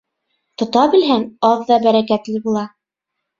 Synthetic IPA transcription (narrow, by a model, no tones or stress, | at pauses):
t̪ŏt̪ɑbɘ̆lɦænɑðːɑbæɾækæt̪lɘbulˠɑ